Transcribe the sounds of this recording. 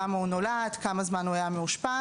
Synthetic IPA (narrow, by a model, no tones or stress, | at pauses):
amaunoladkamazmanuajameuʃpa